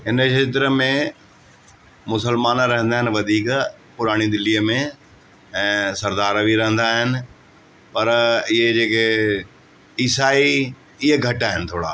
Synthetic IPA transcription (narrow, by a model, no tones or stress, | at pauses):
ɦɪnəʃeːt̪̬ɾəmẽ | mʊsəlmaːnɾɐɦə̃nd̪aːɦɪnɪ̆ʋɐd̪ʱiːk | pʊɾaːɽ̃id̪ɪliːəmẽ | ɛ̃ːsɐɾd̪aːɾbʱiɾɐɦə̃nd̪aːɦɪnɪ̆ | pɐɾɪɦed͡ʑeːkʰe | iːsaːi | ɪɦeɡʱɐʈaːɦɪnɪ̆t̪ʰoːɽa̰ː